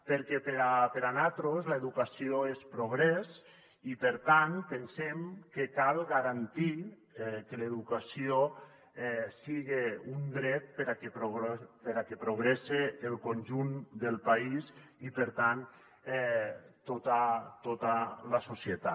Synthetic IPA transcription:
peɾkɛpeɾapeɾanat̪ɾozleðukasioespɾoɣ̞ɾɛs | ipeɾt̪anpensemkekalˠɣaɾant̪i | ɛkeleðukasio | ɛsiɣeund̪ɾɛt̪̚peɾakepɾopeɾakepɾoɣ̞ɾeseːlˠkonʲʒund̪elˠpaizipeɾt̪an | ɛt̪ot̪at̪ot̪alasosiet̪a

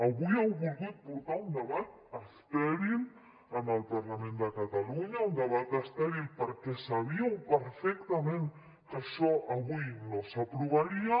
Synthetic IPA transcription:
aβujɛwβulɣut̪̚puɾt̪aund̪əβat̪̚ | əst̪ɛɾil | ənəlpaɾlamẽnd̪əkat̪aluɲaund̪əβ̞at̪əst̪ɛɾilpəɾkɛsaβ̞iawpəɾfɛkt̪amẽn | kaʃɔʔaβujnosapɾuβ̞aɾia

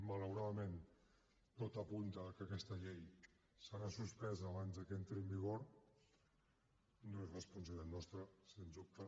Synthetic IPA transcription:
maləwɾaðəmen | t̪ot̪apunt̪əkəakɛst̪əʎej | səɾasuspɛzaβ̞anzðəkent̪ɾembiɣ̞oɾ | noezrəspunsailɛt̪nɔst̪ɾəsenzup̚t̪a

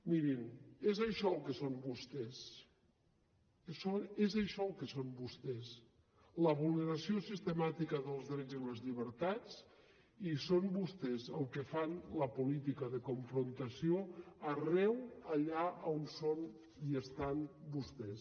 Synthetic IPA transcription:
miɾinezəʃɔlˠkəsombust̪es | sonezaʃɔəlˠkəsombust̪ɛs | ləβulˠneɾasiosist̪əmat̪ikəðəlˠzðɾɛd͡ziləzʎiβəɾt̪at͡s | isombust̪ezəlˠkefanləpulit̪ikəðəkuɱfɾunt̪əsioarɛwaʎaonson | iəst̪anbust̪es

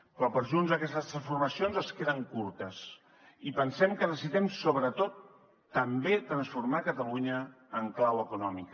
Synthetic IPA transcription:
pɾɔpəɾʒunzəkɛst̪əst̪ɾənsfuɾməsionzəskeðəŋkuɾt̪əs | ipənsɛmkəðəsiðɛmsoβɾət̪ot̪ː | əmbet̪ɾənsfuɾmakət̪əluɲəː | ŋklawəkunɔmik

